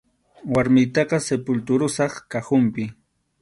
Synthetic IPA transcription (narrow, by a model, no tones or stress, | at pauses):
waɾmɪjt̪ɑqɑsepʊlt̪ʊɾʊsɑχkahʊmpɪ